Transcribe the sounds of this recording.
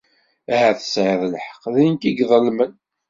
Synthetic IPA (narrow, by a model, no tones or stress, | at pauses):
æhæθə̥sʕəðəlħə̥qːðinkiɡðˤəlmən